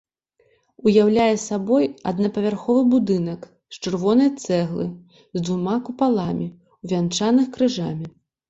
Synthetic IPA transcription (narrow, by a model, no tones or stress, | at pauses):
ujawlʲajɛsabɔjɐ̰d̪nɐpɐvʲarxɔvɨbud̪ɨnɐk | st͡ʂɨrvɔnɐjɐt̪sɛɣlˠɨ̰ | zd̪vumakupalˠamʲi | wvʲant͡ʂanɨxkɾɨʐamʲi